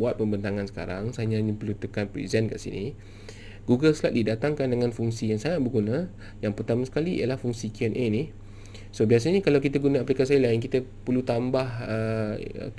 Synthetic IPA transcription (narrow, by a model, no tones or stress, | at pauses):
uat̪̚pəmbənt̪aŋansə̥ka̰ɾaŋsaɲãnipərlut̪əkanpɾḭzɛnka̰ʔsḭni | ɡuɡəlslat̪̚didat̪aŋkandəŋãnfuŋsijaŋsaŋat̪̚bərɡunã | jaŋpərt̪amasə̥kaliʔḭjalahfuŋsikiɛnʔeni | sobias̬aɲakalawkit̪aɡunaaplikas̬ilaɪnkit̪əpərlut̪ambahəə̰